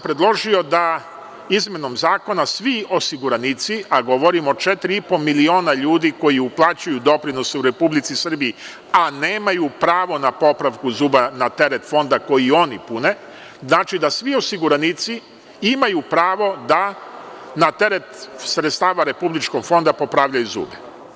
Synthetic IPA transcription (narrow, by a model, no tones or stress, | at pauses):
pɾe̞d̪lˠo̞ʒio̞d̪a | izmʲjeno̞mzaːko̞nasʋio̞siɡuɾanit̪siaɡo̞ʋo̞ɾimot͡ʃet̪ɾiipo̞milio̞ːnaʎuːd̪iko̞jiuplˠat͡ɕujud̪o̞pɾino̞seuɾe̞publit̪sisr̩biː | ane̞ːmajupɾaːʋo̞napo̞pɾaʋkuzuːbanat̪e̞ɾet̪fo̞nd̪ako̞jio̞nipune̞ | znaːt͡ʃid̪asʋio̞siɡuɾanit̪si | imajupɾaːʋo̞d̪a | nat̪e̞ɾe̞t̪sɾet̪st̪aːʋaɾe̞publit͡ʃko̞ɡ̥fo̞nd̪apo̞pɾaːʋʎajuzṵːbe